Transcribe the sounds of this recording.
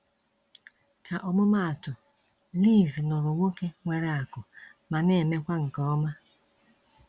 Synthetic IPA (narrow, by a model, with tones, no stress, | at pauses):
ka˨ʔɔ˨mʊ˦ma˦a˨tʊ˨ | li˦˨vnɔ˨ɾʊ˨ŋʷo˦ke˦ŋʷe˨ɾe˨a˨kʊ˨ | ma˨ne˨me˦kʷa˦ŋ̩˨kɔ˦ɔ˦ma˦